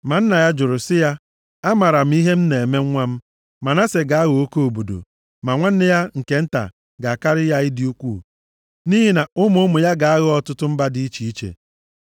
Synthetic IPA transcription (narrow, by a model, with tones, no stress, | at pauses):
ma˨n̩˦na˨ja˦d͡ʒʊ˨ɾʊ˨sɪ˦ja˦ | a˦ma˨ɾa˨m̩˦i˦ɦe˦m̩˦ne˨e˨me˦ŋ̩˦ŋʷa˦m̩˦ | ma˨na˦se˨ɡa˨a˦ɣo˦ko˦o˨bo˨do̰˨ | ma˨ŋʷa˦n̩˦nɪ˦ja˦ŋ̩˨ke˨n̩˦ta̰˨ | ɡa˨a˨ka˦ɾɪ˦ja˦ɪ˦dɪ˦u˦kʷu˦˨ | ni˦ɦi˦na˨ʊ˦mʊ˦mʊ˨ja˦ɡa˨a˦ɣɔ˦tʊ˦tʊ˦m̩˦ba˦di˨˦i˦t͡ʃi˨i˦t͡ʃḛ˨